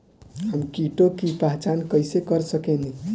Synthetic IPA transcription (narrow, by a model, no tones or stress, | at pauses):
ɦəmkiʈokipaɦt͡ʃankəjsekəɾsəkɛni